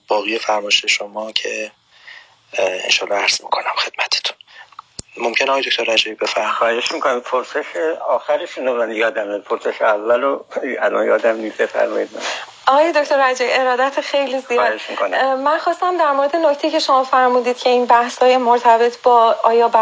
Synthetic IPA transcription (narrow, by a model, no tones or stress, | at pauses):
b̥ɒːɣijefæɾmɒʃeʃomɒːcʰe | ḛnʃɒːlɒæɾz̥mikʰonæmxe̞d̪̥̚mæt̪ʰe̥t̪ʰu̥n | momcʰʲeneɒːj̪ok̚ʰʲt̪ʰoɾːæd͡ʒæbibe̞fæɾmixɒed͡ʒeʃmikonapʰoɾseʃeɒːxæɾeʃunemunænjɒːd̪æmepʰoɾseʃeævːæloælɒnjɒ̰ːd̪æmnisbefæ̰ɾmɒ̰jid̪̚mæ̰ | ɒɣɒːjed̪oct̪oɾæd͡ʒæbie̞ɾɒːd̪æt̪ʰexe̞jlizijːd̪eʃmikonæmænxɒːst̪æmd̪æɾmoɾe̞d̪enoct̪ʰejicʰe̞ʃo̞mɒːfæɾmuːd̪iːd̪̥cʰe̞inbæhshɒːjemoɾt̪ʰæbe̞t̪ʰbɒːɒːjɒːbæ